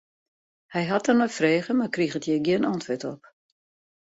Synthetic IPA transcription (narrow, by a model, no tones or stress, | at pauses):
hɛjɦat̚ərnɔjfreːɣəmarkrixətjeɡiənɔntʋɪtɔp̚